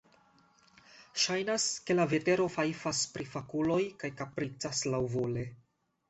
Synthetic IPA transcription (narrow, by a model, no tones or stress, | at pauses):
ʃajnaske̞lave̞te̞ɾo̞fafaspɾifakulo̞jkajkapɾit͡saslawvole̞